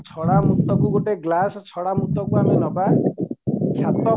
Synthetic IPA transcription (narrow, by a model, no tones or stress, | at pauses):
t͡ʃʰɔɽamut̪ɔkuɡoʈeɡlasɔt͡ʃʰɔɽamut̪ːɔkuamenɔba | kʰjat̪ɔ